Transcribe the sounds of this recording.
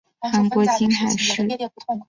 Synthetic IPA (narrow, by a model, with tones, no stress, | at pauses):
xa˧˥nkwɔ˧˥t͡ɕi˥nxa˨˩ɪʂɻ̩˥˩